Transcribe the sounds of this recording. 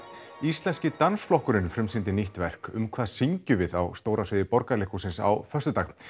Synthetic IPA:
ist̪lɛnscɪt̪ansflɔhkʏɾɪnfɾɪmsɪnt̪̬ɪniht̪vɛr̥kʏ̰mkʰv̥aːðsiɲcʏvɪða̰wst̪oːwɾʔasvɪðɪpɔɾkalehkusɪnsa̰wfœst̪ʏt̪aːx

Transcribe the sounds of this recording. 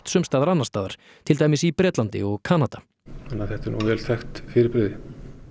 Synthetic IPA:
t̪sʏmst̪aːðaɾanːast̪aːða̰ɾ̥ | t̪ʰɪlt̪aːjmɪsipɾɛːt̪lant̪ɪ̰ɔɣkʰaːnat̪a | anːaðθɛht̪ɛɾnṵvɛːlθʰɛxt̪fɪːɾɪɾpɾɪðɪ

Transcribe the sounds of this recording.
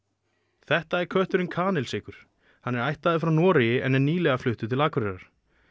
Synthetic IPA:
θɛht̪aɛɾkʰœht̪ʏɾʏnkʰaːnɛlsɪːkʏɾ̥ | hanːɛɾajht̪aðɪfɾawnɔːɾɪjɪʔɛnɛɾniːlɛɣaflʏht̪ʏt̪ʰɪlaːkvɾɛɾaɾ̥

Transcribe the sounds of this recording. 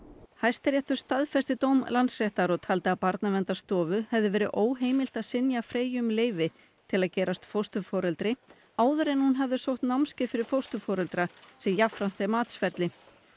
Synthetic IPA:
hajst̪aɾjɛht̪ʏɾ̥st̪aðfɛst̪ɪt̪oːwmlant̪sːɛht̪aɾɔɣt̪ʰaːlt̪ɪaðpaɾt̪navɛnt̪ast̪ɔːvʏhɛvðɪvɛːɾɪʔoːwɦeːjmɪl̥t̪aðsɪnjafɾeːjʏmleːjvɪ | t̪ʰɪlaðcɛːɾast̪fowst̪ʏfɔːɾɛlt̪ɾɪ | aːwðʏɾɛnhunɦavðɪsowht̪nawmscɪfɪɾɪɾ̥fowst̪ʏfɔːɾɛlt̪ɾasɛmjafɾan̥t̪ɛmaːt̪sfɛɾt̪lɪ

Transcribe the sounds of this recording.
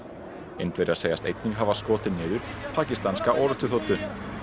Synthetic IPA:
ḛjnt̪veɾaseːjast̪ḛjt̪niŋkɦavaskɔːt̪ɪnɪːðʏɾ̥pʰaːcist̪anskaʔɔːɾʏst̪ʏθowt̪ʏ

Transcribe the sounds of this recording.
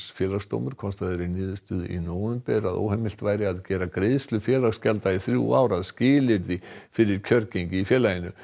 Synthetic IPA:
sfjɛːlaɣst̪o̰wmʏɾ̥kʰɔnst̪aðɛɾɪniːðʏst̪ʏð̰ḭnoːwʏmpɛɾaðo̰whɛmɪlt̪vaːjɾɪaðcɛːɾakɾeðst̪lʏfjɛːlaɣscalt̪aiθɾjṵa̰ːwɾaðscɪːlɪɾðɪfɪɾɪɾ̥cʰœɾcejɲcɪifjɛːlajɪnʏ

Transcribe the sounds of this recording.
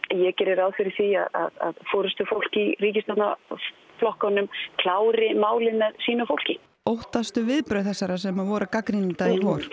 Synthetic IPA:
jɛcɛɾɪɾaðfɪɾɪɾ̥θia̰ða̰ða̰ðfɔːɾʏst̪ʏfowl̥ciriːcɪst̪at̪na | flɔhkanːʏmkʰlaːwɾɪmaːwlɪnaɾsiːnʏfowl̥cɪ | owht̪ast̪ʏvɪðpɾœθɛsːaɾasɛmaðvɔːɾakakɾinɪnt̪aiɦɔːɾ̥

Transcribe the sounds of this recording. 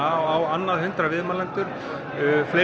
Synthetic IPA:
aawanːaðhʏnt̪ɾavɪðmalɛnt̪ʏɾ̥ | fle

